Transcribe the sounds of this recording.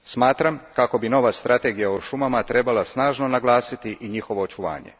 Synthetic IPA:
smaːt̪ɾamkako̞bino̞ʋast̪ɾʔat̪e̞ːɡijaoʃumamat̪ɾe̞balˠasnaːʒno̞naɡlˠaːsit̪iʔiɲixo̞ʋo̞ːt͡ʃuʋa̰ːɲḛ

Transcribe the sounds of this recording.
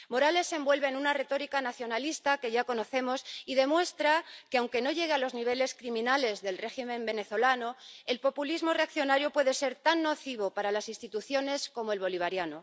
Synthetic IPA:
mo̞ɾale̞sːe̞mbwe̞lβe̞ːnũnare̞t̪o̞ɾikanaθjo̞nalist̪ake̞ʝako̞no̞θe̞mo̞siðe̞mwe̞st̪ɾake̞awŋke̞no̞ʝe̞ɣ̞ealo̞zniβ̞e̞le̞skɾimĩnale̞zðe̞lre̞ximẽ̞mbe̞ne̞θo̞lanoe̞lpo̞pulizmo̞re̞akθjo̞naɾjopwe̞ðe̞se̞ɾt̪anːo̞θiβ̞o̞paɾalasinst̪it̪uθjo̞ne̞sko̞moe̞lβo̞liβ̞aɾjano

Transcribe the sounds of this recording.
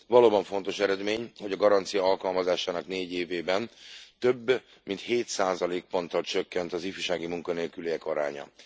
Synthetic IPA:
vɒloːbɒɱfo̞n̪t̪o̞ʃɛɾɛd̪meːɲho̞ɟɒɡɒɾɒnt̪sijɒɒlkɒlmɒzaːʃaːnɒkneːɟeːveːbɛnt̪ø̞bː | mint̪heːt̪saːzɒleːk̚po̞nt̪ɒlt͡ʃøkːɛnt̪ɒzifyʃaːɡimuŋkɒneːlkyleːɛkɒɾa̰ːɲɒ̰

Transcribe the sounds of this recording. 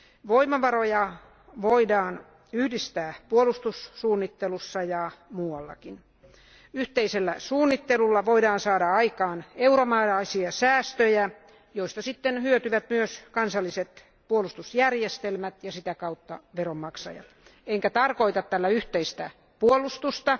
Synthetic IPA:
ʋoimɑʋɑrojɑ | ʋoidɑːn | yhdist̪æːpuolust̪usːuːnːit̪ːelusːɑjɑmuːɑlːɑ̰kin | yht̪eiselːæsuːnːit̪ːelulːɑʋoidɑːnsɑːɾɑɑikɑːneuɾomɑːlɑisiɑsæːst̪øjæ | joist̪ɑsit̪ːenhyøt̪yʋæt̪myøskɑnsɑlːiset̪ | puolust̪usjærjest̪elmæt̪jɑsit̪ækɑut̪ːɑ̰ʋeromːɑksɑ̰jɑ̰t̪eŋkæt̪ɑrkoit̪ɑt̪t̪ælːæyht̪eist̪æ | puolːˑust̪ust̪ɑ

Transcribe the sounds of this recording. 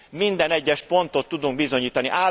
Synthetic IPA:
mind̪ɛnɛɟːɛʃpo̞nt̪o̞t̪ːud̪uŋɡbizo̞ɲiːt̪ɒniʔaː

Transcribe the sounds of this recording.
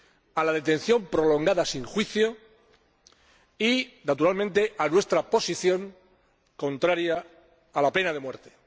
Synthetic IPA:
alað̞e̞t̪ẽ̞n̟θjo̞mpɾo̞lo̞ŋɡaðasiŋxwiθjo̞ | inat̪uɾalmẽnt̪e̞ʔanwe̞st̪ɾapo̞siθjõ̞ŋ | kõ̞nt̪ɾaɾjaː | lape̞nað̞e̞mwe̞ɾt̪e̥

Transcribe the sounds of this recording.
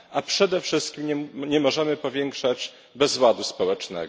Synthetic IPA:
apʂɛd̪ɛfʂɘst̪kʲimɲɛɲɛmɔʐɛmɘpɔvʲjɛŋkʂad͡ʑ | bɛzwad̪uspɔwɛt͡ʂnɛ̰

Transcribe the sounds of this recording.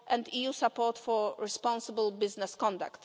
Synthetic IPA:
ʔɛ̃nd̪ijusapɔtfɔɹɛspɔ̃nsəbəlbɪznɛskɔ̃nd̪a̰kt̪

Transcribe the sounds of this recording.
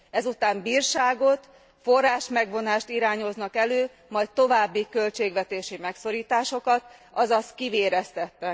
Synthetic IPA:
ɛzut̪aːmbiːrʃaːɡo̞t̪ | fo̞rːaːʃmɛɡʋo̞naːʃt̪iɾaːɲo̞znɒkɛløː | mɒjtt̪ːo̞vaːbːikø̞lt͡ʃeːɡʋɛt̪eːʃimɛkso̞ɾiːt̪aːʃo̞kɒt̪ɒzɒst̪kiveːɾɛst̪ɛt̪ːɛ

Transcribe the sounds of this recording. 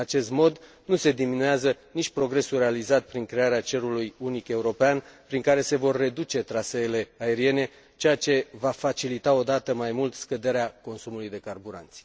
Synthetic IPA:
at͡ʃe̞st̪mo̞d̪ | nuse̞d̪iminueazənit͡ʃʲpɾo̞ɡɾe̞sure̞alizat̪̚pɾiŋkɾe̞aɾeat͡ʃe̞ɾulujunike̞uɾo̞peanpɾiŋkaɾe̞se̞vo̞rːe̞d̪ut͡ʃe̞t̪ɾaseːle̞ae̞ɾie̞ne̞ | t͡ʃe̞jat͡ʃe̞vafat͡ʃilit̪ao̞d̪at̪əmajmult̪skəd̪e̞ɾeako̞nsumulujd̪e̞karbuɾa̰nt̪sʲ

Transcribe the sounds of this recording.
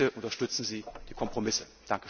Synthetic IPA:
əʔʊntɐʃtʏt͡sn̩ziːd̥iːkʰɔmpʁ̥omɪsə | d̥aŋkə̥

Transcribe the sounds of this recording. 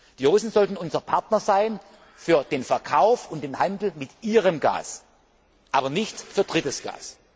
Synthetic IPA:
d̥iːoːsn̩zɔltn̩ʊnzɐpʰaɐtnɐzaɪn | fyːɐd̥eːnfɛɐkʰaʊfʊntd̥eːnhandl̩mɪtʔiːʁəmɡa̰ːs | ʔaːbɐnɪçtfyːɐd̥ʁɪtəsɡ̥a̰ːs

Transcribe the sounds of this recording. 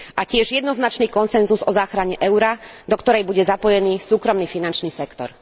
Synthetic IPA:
ʔacɪɛʒjɛd̪nɔznat͡ʃniːkɔnsɛnzuzɔzaːxɾaɲɛʔɛʊɾad̪ɔkt̪ɔɾɛjbuɟɛzapɔjɛniːsuːkɾɔmniːfinant͡ʃniːsɛkt̪ɔ̰ɾ

